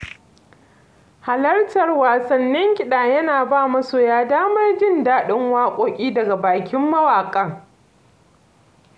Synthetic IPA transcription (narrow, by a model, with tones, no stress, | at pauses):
ha˨lɐ˦rtɐ˨rwaː˨sɐ˨nːɪ˦ŋkʲʼɪ˨ɗaː˨jɐ˦naː˨baː˦˨mɐ˦suː˨jaː˦daː˦mɐ˦rd͡ʒɪ˦ndaː˦ɗɪ˦ŋwaː˦kʷʼoː˦kʲʼiː˦dɐ˨ɡa˨baː˨kʲɪ˦mːɐ˦waː˨kʼɐ˦ŋ